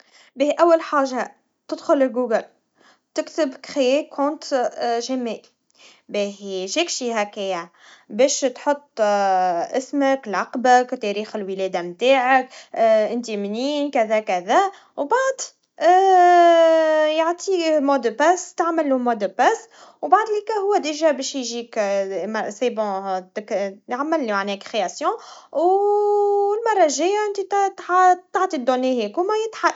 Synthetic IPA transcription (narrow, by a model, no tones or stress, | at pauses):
beːhiʔæwːælħaːʒːa | t̪ɪd̪xʊlɪlɡuːɡəl | t̪ɪkt̪ɪbkxjɛkʰõːnt̪ʒæmeːʔ | beːɦiʒɪkʃihækæja | bɛːʃt̪ħot̪ˤː | ʔɪsməklʕaqbakt̪ɛɾiːxɪlwəlɛːd̪amt̪aːʕakʔɪnt̪imniːnkæðækæðæ | wbaʕd̪ | jaʕt̪ʰimod̪pæst̪aʕməlːumɔd̪əpæs | wbaʕd̪ˤlikæɦʊwːæd̪ɪʒæbɛʃjʒikmasebɑ̃t̪kjʕamːɪlːimaʕnɛːkxeasjɔ̃w | lmɑrˤːɑʒɪjːaʔɪnt̪it̪t̪ːaʕt̪ˤid̪onːehɛkumæjɪt̪ħa